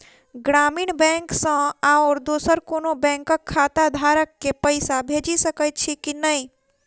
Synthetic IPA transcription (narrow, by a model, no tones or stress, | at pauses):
ɡɾaːmiːɳbɛ̃ŋksə̃aɔːɾd̪osəɾkonobɛ̃ŋkəkʰːat̪ad̪ʱaɾəkːepəɪsabʱed͡ʒisəkət̪̚t͡ʃʰikinəi